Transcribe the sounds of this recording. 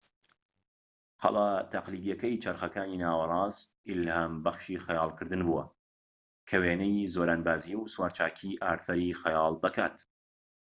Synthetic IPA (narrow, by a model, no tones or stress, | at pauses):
qʰɑ̰lˠat̪ʰɐqliːd̪ijɐkɐjt͡ʃʰɐɾxɐkaːniːnaːwɐrˤɑːst̪ʔɪlhambɐχʃiːxɐjɑːlˠkɨɾd̪ɨnbuwɐ | kʰɐweːnɐjzoːɾaːnbaːzijwswaːɾt͡ʃaːkʰiːʔaːɾθɐɾixɐjɑːlˠd̪ɐka̰ːt̪